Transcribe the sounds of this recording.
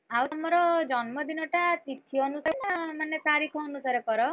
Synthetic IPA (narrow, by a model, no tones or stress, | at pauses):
awt̪ʌmːʌɾɔd͡zʌnmʌd̪inʌʈat̪it̪ʰːiʌnusaɾenamanːet̪aɾikʰːnusaɾepʌɾʌ